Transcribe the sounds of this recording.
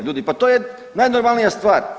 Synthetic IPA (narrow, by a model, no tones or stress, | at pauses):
ʎʲuːd̪ipat̪ojɛ | najnoɾmalˠnijast̪vaɾ